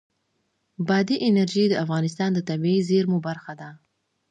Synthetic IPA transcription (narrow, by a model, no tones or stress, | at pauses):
bɑd̪iʔɪnaɾʒid̪əafɣɑnɪs̬t̪ɑnd̪ət̪abiizeɾmubaɾxad̪a